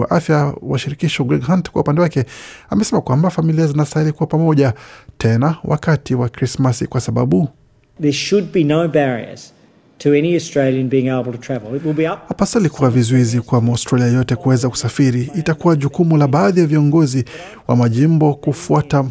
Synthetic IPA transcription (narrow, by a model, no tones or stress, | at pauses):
wa̰ʔafjawaʃiɾikiʃɔɡɾɛɡɦantkwa̰upandɛwakɛamɛsɛmakwambafamiliazinasailikuwapamɔʄatʰɛnawʔa̰katiwakɾismasikwasaɓa̰ɓu | ðə˞ʃɨd̚binoʊbɛɹḭə̰˞z̥ | tʰɨɛniɨstɹ̥eɪlˠjɨ̃nbiɪ̃ŋeɪbl̩ˠtʰətʰɹ̥ævl̩ˠɪt̚wəlˠbiʌhapasalikuwavizuizikwamaawstɾaliajɔtɛkuwɛzaku̥safiɾiːtakuwaʄukumulaɓaːðijaviɔŋɡɔzi | wa̰maʄim̩bɔkufuata